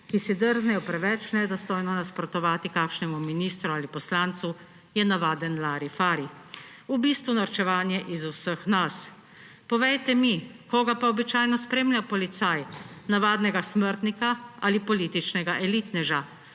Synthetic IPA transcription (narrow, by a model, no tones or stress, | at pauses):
kisid̪əɾznɛjɔpɾɛʋɛt͡ʃnɛd̪ɔst̪ɔjnɔnaspɾɔt̪ɔʋaːt̪ikakʃnɛmuminiːst̪ɾuaːlipɔslaːnt̪su | jɛnaʋaːd̪ɛnlaːɾifaːɾi | ubiːst̪ʋunaɾt͡ʃɛʋaːnjɛʔizuwsəxnas | pɔʋɛjt̪ɛmikoːɡapaɔbit͡ʃaːjnɔspɾeːmljapɔlit̪saːjnaʋaːd̪nɛɡasməɾt̪nikaalipɔliːt̪it͡ʃnɛɡaʔɛliːt̪nɛʒa